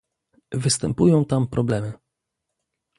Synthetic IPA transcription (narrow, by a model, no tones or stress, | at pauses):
vɘst̪ɛmpujɔ̃w̃t̪ampɾʔɔblɛmɘ